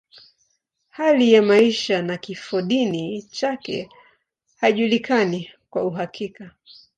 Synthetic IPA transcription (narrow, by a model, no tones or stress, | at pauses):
halijamaiʃanakifɔɗinit͡ʃakɛ̰ | haʄulikanikwauɦakʰika